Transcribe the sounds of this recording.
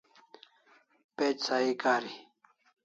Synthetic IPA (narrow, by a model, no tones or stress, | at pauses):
peːt͡ɕsaːikaːɾi